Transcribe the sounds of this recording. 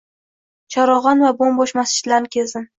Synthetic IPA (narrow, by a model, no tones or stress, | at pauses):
t͡ʃʰɒɾɒʁɑnvabombɒʃmast͡ʃɪ̥t̪laɾnɪkʲʰeld̪ɪm